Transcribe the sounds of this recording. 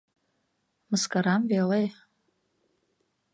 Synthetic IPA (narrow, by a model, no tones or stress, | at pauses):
mɨskʼaɾamvealej